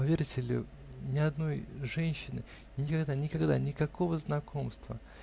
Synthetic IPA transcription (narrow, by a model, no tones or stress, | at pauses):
pɐvʲeɾʲɪtʲɪlʲʊ̰ | nʲɪɐd̪no̞jʐɛnʲɕːɪnɨ̰ | nʲɪkɐɡd̪anʲɪkɐɡd̪anʲɪkɐko̞vəznɐkʰo̞mst̪və̰